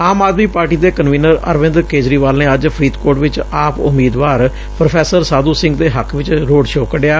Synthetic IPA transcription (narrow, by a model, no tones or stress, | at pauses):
aːmaːd̪miːpaːɾʈiːd̪eːkənʋiːnəɾə̰ɾʋɪ̃nd̪ɾkeːd͡ʒɾiːʋaːlnẽːəd͡ʒpʰɾiːt̪koːɾʈʋɪt͡ʃaːpʊ̰mːiːd̪ʋaːɾ | pɾopʰɛːsəɾsaːd̪uːsɪ̃ŋɡd̪eːɦəkʰʋɪt͡ʃɾoːɖʃoːkəɖjaː